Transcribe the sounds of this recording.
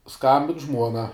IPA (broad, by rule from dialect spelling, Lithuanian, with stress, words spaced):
ˈskɐmʲbʲɪn ˈʒmuɔnɐ